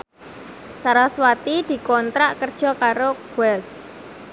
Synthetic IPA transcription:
saɾaswat̪id̪̥i̤kɔnt̪ɾaʔkərd̥ʒ̥ɔ̤kaɾoɡ̥uɛs

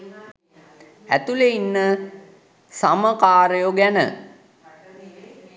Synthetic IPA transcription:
æ̰t̪uleinːə | saməkaːɾəjoɡænə̰

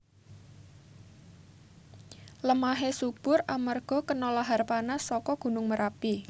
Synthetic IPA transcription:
ləmaɦesub̥ʊramərɡ̥ɔ̤kənɔlaɦarpanasːɔkɔɡ̥ṳnʊŋməɾʔapi

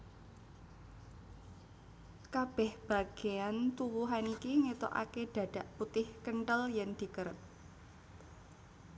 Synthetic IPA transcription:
kab̥ɛhb̥a̤ɡ̥eant̪uwuɦanikiŋet̪o̰ʔa̰keɖ̪̥ä̤d̥a̤ʔput̪ɪhkəɳʈəljɛnd̪̥i̤kəɾət̪̚

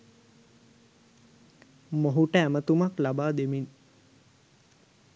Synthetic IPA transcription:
moɦuʈəæmət̪umaklabaːd̪emin

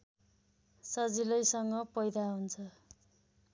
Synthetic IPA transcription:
sʌd͡zilʌjsʌŋɡʌpʌjd̪aɦunt͡sʰʌ

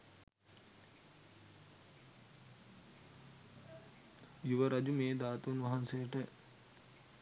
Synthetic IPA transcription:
juʋɐɾɐd͡ʒumeːd̪aːt̪unʋɐɦɐnsejəʈə

